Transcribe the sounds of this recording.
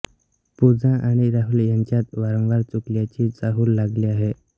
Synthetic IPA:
pud͡zãʔaɽ̃iɾaɦuljaɲt͡ɕjat̪ʋaɾə̃ŋʋaɾt͡sukljat͡ɕiːt͡saɦuːlːaɡliːaɦe

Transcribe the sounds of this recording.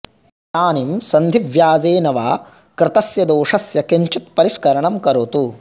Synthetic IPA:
t̪aːnimsɐnd̪ʱiʋjaːd͡ʒeːnɐʋa̰ː | kɾɪt̪ɐsjɐd̪oːʂɐsjɐkeɲt͡ʃit̪̚pɐɾiʂkɐɾɐɳɐmkɐɾot̪u

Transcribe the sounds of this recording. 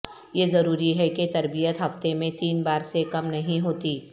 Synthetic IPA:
jezɐɾuːɾiɦɛket̪ɐɾbijət̪ɦɐft̪emẽt̪iːnbaːɾsekɐmnɐɦĩɦoːt̪iː

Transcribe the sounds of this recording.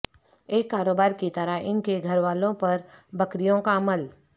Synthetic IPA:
eːkːaːɾoːbaːɾkit̪əɾaɦɪnkeɡʱɐɾʋaːlõpɐɾbɐkɾijõkaɐməl

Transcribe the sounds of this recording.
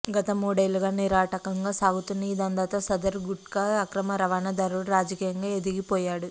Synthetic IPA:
ɡɐt̪ɐmuːɽɐjluɡaːniɾaːʈɐkɐŋɡaːsaːɡut̪unːɐid̪ɐnd̪aːt̪oːsɐd̪ɐɾɡuʈkaɐkɾɐmɐɾɐʋaːnɐd̪ɐɾuɽɾaːd͡ʒɐkiːjɐŋɡaːe̞d̪iɡipɔːjaːɽu

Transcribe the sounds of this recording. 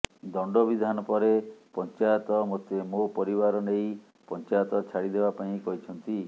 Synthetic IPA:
d̪ɔɳɖɔbid̪ʱanɔpɔɾepɔnt͡ʃajɔt̪ɔmot̪emopɔɾiβaɾɔnej | pɔnt͡ʃajɔt̪ɔt͡ʃʰaɽid̪ebapaĩkɔɦit͡ʃʰɔnt̪i

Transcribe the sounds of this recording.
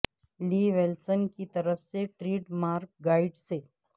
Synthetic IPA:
liːʋelsənkit̪əɾəfseʈɾiːʈmaɾkɡaiɖse

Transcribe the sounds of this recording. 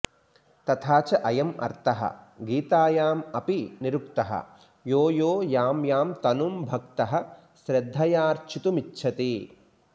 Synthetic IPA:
t̪ɐt̪ʰaːt͡ʃɐʔɐjɐmɐ̰ɾt̪ɐɦɐ̰ɡiːt̪aːjaːmɐpiniɾukt̪ɐɦɐ̰ | joːjoːjaːmjaːmt̪ɐnumbʱɐkt̪ɐɦɐ̆ | ʃɾɐd̪ʱːɐjaːɾt͡ʃʰit̪umitːʃʰɐt̪i

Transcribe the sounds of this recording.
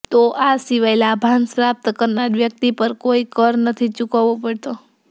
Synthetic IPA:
t̪oʔasiʋajlabʱansɾap̚t̪əkəɾnaɾʋjək̚t̪ipəɾkoikəɾnət̪ʰit͡ʃukaʋopəɽt̪o

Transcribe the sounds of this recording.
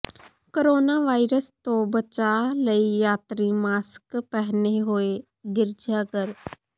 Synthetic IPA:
kəɾoːnaːʋaːiːɾəst̪õːbət͡ʃaːləiːjaːt̪ɾiːmaːskpɛɦneːɦoːeː | ɡɪɾd͡ʒaːkəɾ

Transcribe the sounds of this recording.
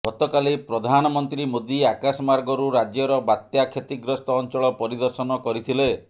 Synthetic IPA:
ɡ̥ɔt̪ɔkalipɾɔd̪ʱanɔmɔnt̪ɾimod̪iakasɔmaɾɡɔɾuɾad͡ʒjɔɾɔbat̪jakʰet̪iɡɾɔst̪ɔːnt͡ʃɔɭɔpɔɾid̪ɔɾsɔnɔkɔɾit̪ʰile

